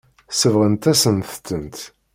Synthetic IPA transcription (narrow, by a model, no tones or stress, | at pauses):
səvʁənt̪æsənθt̪ːənt̪